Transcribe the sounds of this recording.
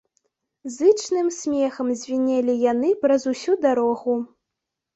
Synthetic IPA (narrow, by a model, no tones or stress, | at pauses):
zɨt͡ʂnɨmsʲmʲɛxɐmzʲvʲinʲɛlʲijan̪ɨpɾɐzusʲud̪aɾɔɣu